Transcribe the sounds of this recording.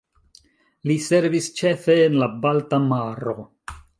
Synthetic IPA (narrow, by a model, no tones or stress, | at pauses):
lise̞ɾvist͡ʃe̞fe̞ːnlabaltamaɾo̞